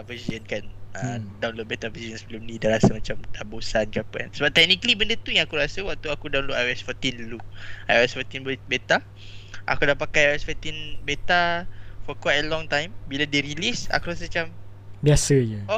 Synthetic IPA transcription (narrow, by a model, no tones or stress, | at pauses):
vəziənkanədawnlot̚bet̪avəziənsbəlumnĩdaɾasəmat͡ʃamt̪abosankəapa̰nsəbap̚t̪ɛk̚nikəlibəndət̪ujãŋakuɾasəwaʔ̚t̪uakudaw̃nloʔajuɛsfɔt̪inlua̰juɛsfɔt̪inbet̪a | ʔa̰kudapakajajɛsfɔt̪inbet̪afɔkwajt̚əlɔ̃ŋt̪ãjmbiladeɾilisa̰kuɾas̬əmat͡ʃam | biasəjəo